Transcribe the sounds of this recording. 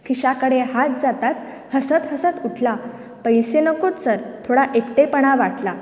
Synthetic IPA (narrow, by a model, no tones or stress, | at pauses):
kʰiɕakəɽeɦat̪̚d͡zat̪at̪ | həsət̪ɦəsət̪uʈʰla | pəjsenəkot̪səɾt̪ʰoɽaʔekʈ̪epəɽ̃aʋaʈla